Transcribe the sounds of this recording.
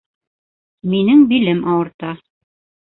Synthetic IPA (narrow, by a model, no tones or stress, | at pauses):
minɘŋbilɘmʔɑwɤ̆ɾt̪ɑ